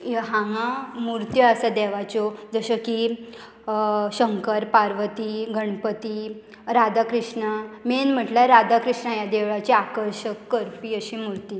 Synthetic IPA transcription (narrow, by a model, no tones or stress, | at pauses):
ɦãŋamuɾt̪jəəsad̪ɛʋat͡ɕod͡zəɕəki | ɕəŋkəɾpaɾʋət̪iːɡəɳpət̪i | ɾad̪akɾiʂɳamenm̤əʈlaɾad̪akɾiʂɳajad̪eʋat͡ɕiakəɾɕəkːəɾpiːəɕimuɾt̪i